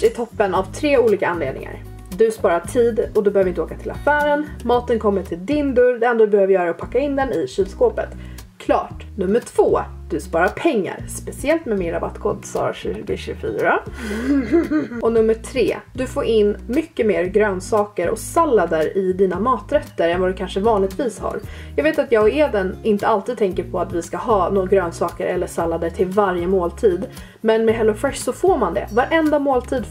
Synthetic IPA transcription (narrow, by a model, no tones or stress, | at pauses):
ɪt̪ʰɔpːənavt̪ʰɾeːuːliːkaanleːd̪nɪ̰ŋa̰ɾ | d̪ɵspɑːɾaʈʰiːd̪ɔd̪ɔbɛhːvɪnt̪əoːkat̪ʰɪla̰fæːɾənmɑːt̪ənkʰɔmːəʈʰɪld̪ɪnd̪ɵɾd̪ɛɛnd̪ɾad̪ɵbɛhøːvəɾjœːɾaɔpʰakːaɪnd̪ɛnɪɕiːd̪skoːpə̰t̪ | kʰlɑ̰ːʈnɵmːəʈʰv̥oː | d̪̥ɵspɑːɾaɾpʰɛŋːa̰ɾspɛsɪɛlt̪mɛmɪnɾaba̰t̪ːkʰɔt̪sɑ̰ːɾɕʉ̟ːʉːɡəɕʉ̟ːfy̰ːɾa | ɔnɵmːəʈʰɾḛːd̪ɵfoːɾʔɪnːmʏkːəmeːɾɡɾøːnsɑːkəɾɔ̰salːad̪əɾɪd̪iːnamɑːt̪ɾɛt̪ːəɾɛnvad̪ɵkʰanʂəvɑːnlɪɡt̪viːsha̰ɾ | jɑɡveːt̪at̪jɑːɡeːd̪ɛnɪnt̪əalt̪id̪̚t̪ʰɛŋkəɾpʰɔat̪vɪskahɑːnoɡɾøːnsɑːkəɾʔɛlːəʂalːad̪əʈʰɪlvaɾjəmoːlt̪ʰiːd̪ | mɛnmɛɦɛlːɔfɛʂsɔfoːɾmand̪ɛ̰vaɾʔɛnd̪amoːlt̪ʰiːd̪